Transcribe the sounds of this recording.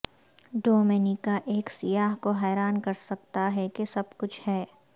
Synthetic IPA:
ɖoːmenikaʔeːksɪjaːɦkoɦɛːɾaːnkɐɾsɐk̚t̪aɦɛkesɐbkʊt͡ʃʰhɛː

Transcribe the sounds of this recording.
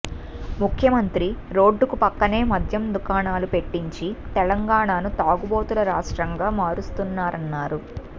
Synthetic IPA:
mukʰjɐmɐnt̪ɾiɾo̞ːɖːukupɐkːɐne̞ːmɐd̪ʱjɐmd̪ukaːnaːlupe̞ʈːiɲt͡ʃit̪ɛlɐŋɡaːɳaːnut̪aːɡubo̞ːt̪ulɐɾaːʂʈɾɐŋɡaːmaːɾust̪unːaːɾɐnːaːɾu

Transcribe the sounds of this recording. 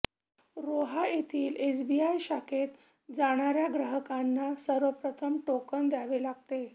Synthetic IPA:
ɾoɦajet̪ʰiːlʔesbiajɕakʰet̪ | d͡zaɽ̃aɾjaɡɾəɦəkanːasəɾʋəpɾət̪ʰəmʈokənd̪jaʋelaɡ̚t̪e

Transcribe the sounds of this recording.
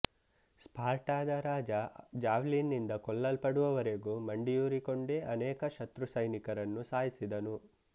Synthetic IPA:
spʰaːɾʈaːd̪ɐɾaːd͡ʒɐd͡ʒaːʋlinːind̪ɐkɔlːɐlpɐɽuʋɐʋɐɾe̞ɡuːmɐɳɖijuːɾiko̞ɳɖeʔɐnɛːkɐʃɐt̪ɾusɐjnikɐɾɐnːusaːjisid̪ɐnu

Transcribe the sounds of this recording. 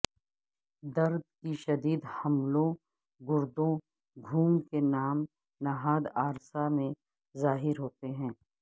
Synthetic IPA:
d̪ɐɾd̪̚kiʃɐd̪iːd̪hɐmlõ | ɡʊɾd̪õ | ɡʱuːmkenaːm | naɦaːd̪aːɾsamẽ | zaːɦɪɾɦoːt̪eɦɛ̃ː

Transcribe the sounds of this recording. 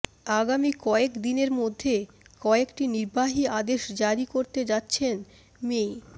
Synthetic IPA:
aɡamikɔekd̪ineɾmod̪ʱːe | kɔekʈiniɾbaɦiad̪eʃd͡ʑaɾikoɾt̪ed͡ʑatːɕʰen | me

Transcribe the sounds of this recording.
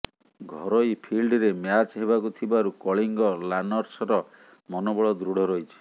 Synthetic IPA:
ɡʱɔɾɔjpʰilɖɾemjat͡ʃɦeβakut̪ʰibaɾukɔɭiŋɡɔlanɔɾsɔɾɔ | mɔnobɔɭɔd̪ɾuɽ̤ʱɔɾɔjt͡ʃʰi̥

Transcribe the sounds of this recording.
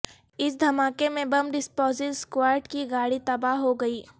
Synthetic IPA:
ɪsd̪ʱɐmaːkemẽbɐmɖɪspɔːzɪlskwaːɾʈkiɡaːɽit̪ɐbaːɦɦoɡɐiː

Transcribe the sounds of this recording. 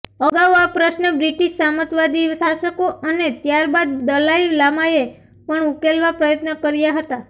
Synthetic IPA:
əɡaʋoapɾəʃnəbɾiʈiʃsamət̪ʋad̪iʋsaʃəkoʔənet̪jaɾbad̪̚d̪əlaiʋlamaje | pəɳukelʋapɾəjət̪nəkəɾjaɦət̪a

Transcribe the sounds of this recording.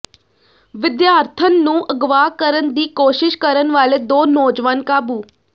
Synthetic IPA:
ʋɪd̪jaːɾt̪ʰənːũʔəɡʋaːkəɾənd̪iːkoːʃɪʃkəɾənʋaːled̪oːnɔːd͡ʒʋankaːbuː

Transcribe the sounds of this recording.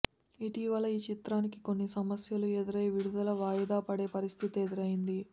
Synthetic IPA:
iʈiːʋɐlɐiːt͡ʃit̪ɾaːnikiko̞nːisɐmɐsjɐlued̪iɾɐjeʋiɽud̪ɐlɐʋaːjɐd̪aːpɐɽe̞ːpɐɾist̪ʰit̪ed̪iɾɐjind̪i

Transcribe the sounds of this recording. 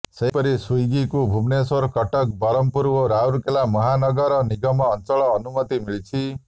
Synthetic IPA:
sepɔɾisujɡikubʱumnesɔɾkɔʈɔk̚bɔɾɔmpuɾboɾauɾkelamɔɦanɔɡɔɾɔniɡɔmɔːnt͡ʃɔɭɔːnumʌt̪imiɭit͡ʃʰi

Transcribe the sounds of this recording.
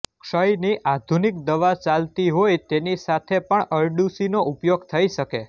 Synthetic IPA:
kʃəjniʔad̪ʱunik̚d̪əʋat͡ʃalt̪iɦojt̪enisat̪ʰepəɳəɾɖusinoʔupjoɡt̪ʰəiʃəke

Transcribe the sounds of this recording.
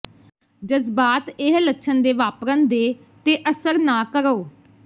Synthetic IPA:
d͡ʒəzbaːt̪ɪɦləkʃʰənd̪eːʋaːpɾənd̪eː | t̪eːʔəsəɾnaːkəɾoː

